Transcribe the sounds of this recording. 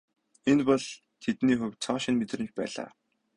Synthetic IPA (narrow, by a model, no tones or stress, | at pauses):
enpɔɮ | t̪ʰet̪niːxɵwt͡sʰɔːʃɪ̆nmet̪rɘ̆mt͡ɕpæ̰ːɮa̰ː